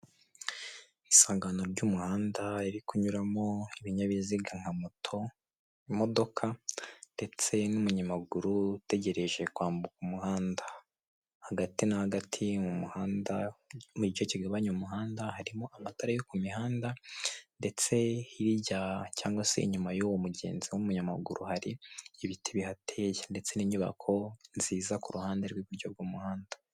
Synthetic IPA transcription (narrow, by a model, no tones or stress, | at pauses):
isaːŋɡano̞ɾɟumuhaːndaiɾikuɲuɾamo̞iβiɲaβiziɡaŋ̥hamotʰo | mo̞do̞kʰande̞t͡se̞numuɲamaɡuɾute̞ɟe̞ɾe̞ʒe̞kwaːmbukumuhaːnda | haɡatinahaɡatʰimumuhaːndamucit͡ʃociɡaβaɲumuɦaːndahaɾimoʔamataɾajokumihaːndande̞t͡se̞iɾiɟacaːŋɡwase̞̰ḭɲumajowomuɟe̞̰ːnziwomuɲama̰ɡuɾuhaɾiːβitʰiβihatʰeːjende̞t͡se̞niɲuβa̰kʰo̞nziːzakuɾuhaːndeɾɡwiβuɾɟo̞bɡuːmuhaːnda